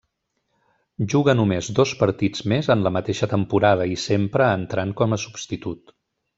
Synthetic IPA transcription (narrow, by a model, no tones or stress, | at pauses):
ʒuɣənumezd̪ɔspəɾt̪id͡zmezənləmət̪eʃət̪əmpuɾað̞əisempɾəːnt̪ɾaŋkɔməsubst̪it̪ut̪